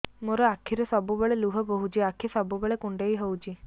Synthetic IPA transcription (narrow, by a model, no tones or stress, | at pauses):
moɾɔakʰiɾɔsɔbubeɭeluɦɔboɦut͡ʃiakʰisɔbubeɭekuɳɖejɦowt͡ʃʰi